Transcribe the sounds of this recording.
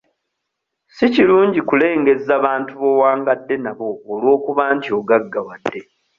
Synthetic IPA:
siciluːɲɟikule̞ːŋɡe̞zaβaːntuβo̞waːŋɡadːe̞naβo̞ːlwo̞ːkuβaːɲcio̞ɡaɡːawadːe̞

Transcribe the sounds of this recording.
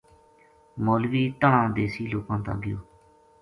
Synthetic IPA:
moːlʋiːt̪əɳãːd̪eːsiːloːkãːt̪ã̰ːɡɪjo̰ː

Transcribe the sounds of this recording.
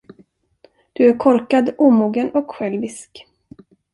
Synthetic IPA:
d̪̥ɵæɾkʰɔɾkad̪uːmuːɡənɔkɧɛlvɪsk

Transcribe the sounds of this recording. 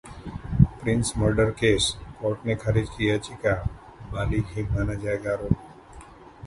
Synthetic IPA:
pɾɪnsməɾɖəɾkeskɔʈnekʰəɾid͡ʒkijat͡ʃika | baliɡʱɦimanad͡ʒaɡaɾo

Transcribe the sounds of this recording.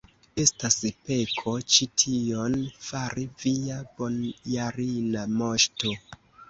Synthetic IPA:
e̞staspe̞kʰo̞t͡ʃitʰio̞nfaɾiviab̥o̞njaɾinamo̞ʃto̞

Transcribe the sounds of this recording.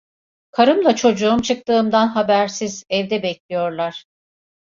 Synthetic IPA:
kʰaɾɯmlˠat͡ʃʰo̞d͡ʒuumt͡ʃʰɯk̚t̪ɯːmd̪anɦabæɾsizɛvd̪ɛbɛclʲijo̞ɾlˠaɾ̥

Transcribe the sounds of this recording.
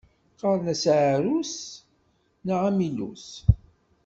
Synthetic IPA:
qɑɾˤnæsʕɾus | naʕamilṵs

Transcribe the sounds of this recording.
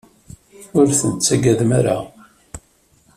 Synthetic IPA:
ʊɾθənt͡sːæɡæðmaɾa̰

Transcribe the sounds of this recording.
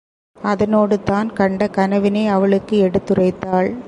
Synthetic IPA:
ɐðɐnoːɽɯt̪aːnkɐɳɖɐkɐnɐʋɪneːɐʋɐɭɯkːɯɛɽɯt̪ːɯrɐɪt̪ːaːɭ

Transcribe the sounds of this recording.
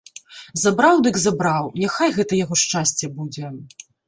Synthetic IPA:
zabɾawd̪ɨɡzabɾawnʲaxajɣɛt̪ɐjaɣɔʂt͡ʂasʲt͡sʲːɛbud͡zʲɛ

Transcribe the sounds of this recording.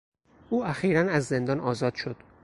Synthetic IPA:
ʔuːæxiːɾænæzːe̞nd̪ɒːnɒːzɒːd̪̥ʃo̞d̪̥

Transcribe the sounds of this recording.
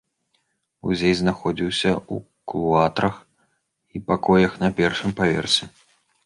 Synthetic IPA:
ṵzʲejznaxɔd͡zʲiwsʲɐu | klˠuat̪ɾɐx | ipakɔjɐxnɐpʲɛrʂɨmpavʲɛ̰rsʲɛ

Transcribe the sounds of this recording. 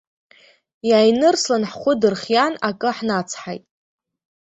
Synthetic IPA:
jajnɨrslanħχʷʊdɨrχjanakʼɨħnat͡sʰħajtʼ

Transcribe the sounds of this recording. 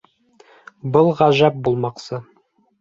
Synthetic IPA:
bɤlˠʁæʒæp̚bulˠmɑqsɤ

